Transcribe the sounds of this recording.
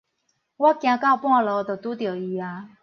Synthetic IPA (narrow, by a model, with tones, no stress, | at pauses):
wa˦˥kj̃ã˧˦ka˥˧˩ʊpwã˥˧˨lɔ˨˧˦t̪o˨˩t̪u˦t̪jo˨˩i˧˦a˧